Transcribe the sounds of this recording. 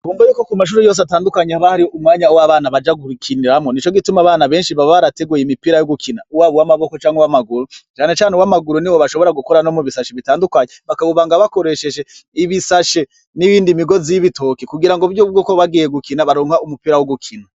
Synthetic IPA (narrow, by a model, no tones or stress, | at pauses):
kuːmbajuːkokumaʃ̬uɾejoːs̬eataːndukaɲehaβahaɾioumŋaːɲawaβaːnaβad͡ʒaɡukʰiniɾamŋo̞nit͡ʃo̞ɡitumaβaːnaβe̞ːnʃiβaββaɾate̞ɡujemipiɾajoɡukʰinauwaːβowamaβo̞kot͡ʃaːŋhewamaɡuɾut͡ʃaːne̞t͡ʃaːnewamaɡuɾuniwoβaʃo̞βo̞ɾaɡuko̞ɾanomuβisaʃeβitaːndukaɲeβakaβuβaːŋɡaβako̞ɾe̞ʃe̞ʒe̞iβisaʃe | niβiːndimiɡo̞ziβito̞kekuɡiɾaŋɡoɾjoβbɡokoβaɡijeɡukinaβaɾoːŋhaumupiːɾawoɡukʰina